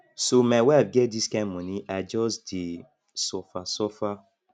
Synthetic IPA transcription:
somawɛvɡɛt̚diskãmɔ̃niʔad͡ʒɔsde | sɔfasɔfa

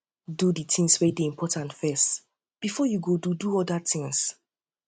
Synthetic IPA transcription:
duditʰĩŋswɛdeĩmpʰɔtãntfɛst | b̥ifɔjuɡoduduɔdatĩŋs

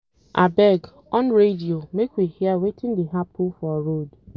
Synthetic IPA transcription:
ʔabɛɡ | ɔnɾediomekʷihjawetɪn̩dɪɦapʰufɔɾod

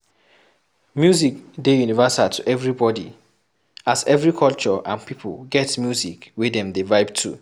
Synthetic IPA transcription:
mjuzik̚dejunivasatʰuʔɛvɹibɔdḭ | azɛvɹikʰɔlt͡ʃɔʔã̰npʰipʰə̰lɡɛtmjuzikwidɛ̃mdevaɪbtʰṵ

